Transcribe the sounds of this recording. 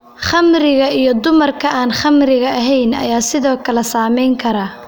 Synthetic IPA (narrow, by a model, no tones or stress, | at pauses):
χɐmrɪɣɐijɞd̪ʊmɐrkʰɐaːnχɐmrɪɣɐɐɦɛjnɐ̰jaːsɪðɔːkʰɐlɛsaːmɛjŋkʰɐɾɐ